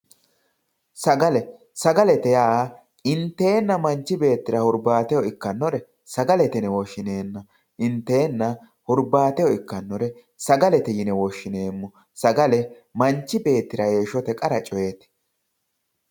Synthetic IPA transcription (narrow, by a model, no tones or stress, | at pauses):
sɐɡɐlɛ | sɐɡɐlɛt̪ɛjaː | ɪnt̪ːe̞ːnːɐmɐnt͡ʃːɪbe̞ːt̪ːɪɾɐhʊɾbaːt̪ɛjɔɪkːɐnːɔɾɛ | sɐɡɐlɛt̪ɛnɛwɔʃːɪneːnːɐ | ʔɪnt̪ːe̞ːnːɐ | hʊɾbaːt̪ɛjɔɪkːɐnːɔɾɛ | sɐɡɐlɛt̪ɛjɪnɛwɔʃːɪne̞ːmːʊ | sɐɡɐlɛ | mɐnt͡ʃːɪbe̞ːt̪ːɪɾɐje̞ːʃɔt̪ɛkʼɐɾɐt͡ʃʼɔjeːt̪ɛ̥